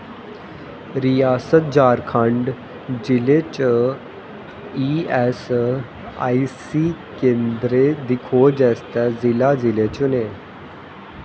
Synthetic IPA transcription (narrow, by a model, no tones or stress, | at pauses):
ɾijasət̪̚d͡ʑaɾkʰãɳɖ | d͡ʑilet͡ɕə | iɛs | a̰isikend̪ɾed̪ikʰod͡ʑɛst̪ad͡zilad͡zilet͡ɕune